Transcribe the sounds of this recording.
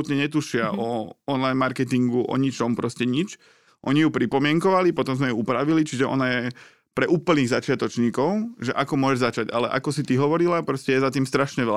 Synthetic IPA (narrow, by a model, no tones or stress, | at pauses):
ut̪ɲɛɲɛt̪uʃɪaʔɔɔnlajnmaɾkɛt̪iŋɡuʔɔ̰ɲit͡ʃɔmpɾɔscɛɲit͡ʃ | ʔɔɲijupɾipɔmɪɛŋkɔʋalipɔt̪ɔmzmɛjuupɾaʋilit͡ʃiʒɛʔɔ̰najɛ | pɾɛʔuːpl̩niːɣzat͡ʃɪat̪ɔt͡ʃɲiːkɔʊʒɛʔakɔmʊɔʒɛʒzat͡ʃaca̰lɛ̰ʔa̰kɔsit̪iɦɔʋɔɾilapɾɔscɛjɛzat̪iːmst̪ɾaʃɲɛʋɛla